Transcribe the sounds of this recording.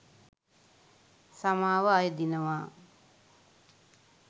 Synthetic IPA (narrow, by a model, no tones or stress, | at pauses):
samaːʋəajəd̪inəʋaː